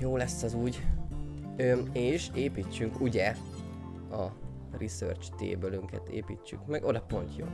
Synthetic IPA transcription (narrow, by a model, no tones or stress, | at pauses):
joːlɛsːɒzuːɟ | øeːʃeːpiːt͡ʃːyŋkuɟɛ | ɒ | risø̰rt͡ʃt̪ḛːbølyŋkɛ̰t̪ḛːpḭːt͡ʃːy̰kmɛɡo̞d̪ɒpo̞nt̪jo̰ː